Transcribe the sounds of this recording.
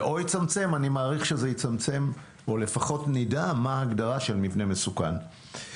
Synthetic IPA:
ʔo̞jit͡samt͡se̞manimaːʁiχʃezejit͡samt͡se̞m | ole̞faχo̞tnidamaːɡdaʁaʃe̞lmivne̞me̞suka̰n

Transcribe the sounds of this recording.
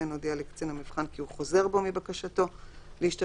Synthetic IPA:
enod̪ialekt͡senamivχankiuχo̞ze̞ʁbo̞mibakaʃato̞leiʃta

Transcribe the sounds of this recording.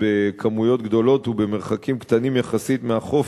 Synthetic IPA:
bekʰamujo̞t̪ɡd̪o̞lo̞tube̞me̞ʁχakimkt̪animjaχasit̪meaχo̞f

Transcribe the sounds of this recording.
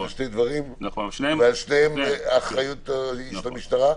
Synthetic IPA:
alʃtejd̪vaʁimvealʃnehemaχʁajut̪iʃlamiʃt̪aʁa

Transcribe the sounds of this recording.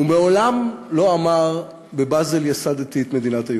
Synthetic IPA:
umeo̞lamlo̞amaʁ | bebazeljasad̪at̪iet̪me̞d̪inat̪aj

